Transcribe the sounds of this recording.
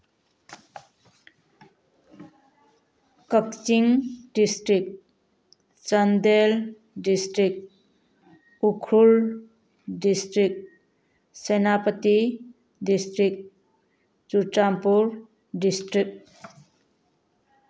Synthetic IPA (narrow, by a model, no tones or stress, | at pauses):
kək̚t͡ʃiŋdistɾik̚ | t͡ʃʌndel | distɾik̚ | ukʰɾul | distɾik̚ | senapəti | distɾik̚ | t͡ʃutampuɾ | distɾik̚